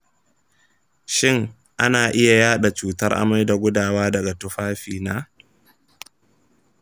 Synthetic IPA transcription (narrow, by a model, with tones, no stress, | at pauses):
ʃɪ˦ŋ | ʔa˦naː˨ʔɪ˦ja˨jaː˦ɗa˨t͡ʃuː˨tɐ˦rʔa̰˨ma˦jda˨ɡʷʊ˦daː˨waː˦dɐ˨ɡa˨tʊ˦ɸaː˦ɸiː˨naː˦